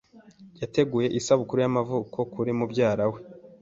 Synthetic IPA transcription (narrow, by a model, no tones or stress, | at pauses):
jate̞ɡuːje̞ʔisaβukuɾujamavukʰo̞kuɾimubɟaːɾawe̞